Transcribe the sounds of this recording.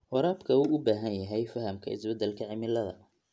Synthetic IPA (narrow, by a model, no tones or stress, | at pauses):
wɑɾaːbkʰɐuːʔʊbaːɦɐnjɐɦɛjfɐɦɐmkʰɐɪ̰sbɛd̪ɛlkʰɐʕɪmɪlɐðɐ̰